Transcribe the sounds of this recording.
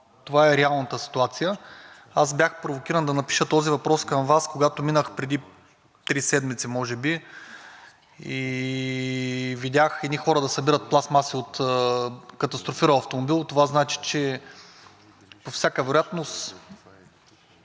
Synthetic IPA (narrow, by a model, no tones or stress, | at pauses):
t̪ovaɛɾɛalˠnət̪əsi̥t̪uat̪sijə | as̬bjaxpɾovokʲiɾənd̪ɐnɐpi̥ʃət̪ɔzivɐpɾɔskɐmvaskoɡat̪ominəxpɾɛd̪i | t̪ɾisɛd̪mit̪simɔʒɛbi | i | vidʲaxɛd̪nixɔɾəd̪ɐsɐbiɾət̪̚plˠasmasiot̪ː | kɐt̪ɐst̪ɾofiɾəɐft̪omobilˠt̪ovaznat͡ʃi̥t͡ʃɛ | pofsʲjakəvɛɾojat̪nost̪